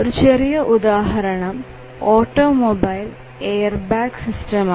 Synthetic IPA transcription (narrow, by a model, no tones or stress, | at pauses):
oɾut͡ɕerijɐʔud̪aːɦɐɾɐɳɐm | oːʈːoːmobɐjl | ejɐrbaːksistɐma